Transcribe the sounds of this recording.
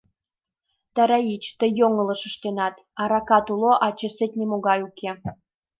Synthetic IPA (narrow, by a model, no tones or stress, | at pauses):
t̪ɑɾɑit͡ɕt̪əjːoŋə̆lɤ̆ʃə̆ʃt̪enɑt̪ | ɑɾɑkɑt̪uloʔɑt͡ɕĕset̪ʲnʲemoɣɑjukʰe